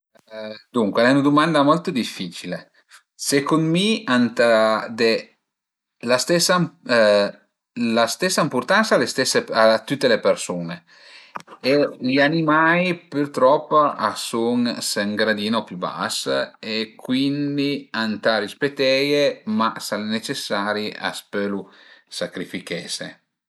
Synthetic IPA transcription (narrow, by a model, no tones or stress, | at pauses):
d̪uŋkweɛunad̪umand̪amɔlt̪od̪ifːiːt͡ʃile | sekonmiant̪ad̪e | last̪ɛsːa | last̪ɛsːaimpuɾt̪ansalest̪ɛsːeat̪ːut̪ːelepersuːne | eʎianimajpyɾt̪ɾɔpːaasuŋseŋɡɾad̪iːnopjuba̰sekwind̪iant̪aɾispet̪ɛjemasanet͡ʃesaːɾia̰spølusakɾifikɛːsḛ